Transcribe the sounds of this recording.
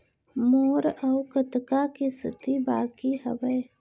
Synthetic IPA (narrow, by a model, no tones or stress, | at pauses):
moːɾɔʊkət̪kakisɪ̰t̪ibaːkiɦə̰ʋəe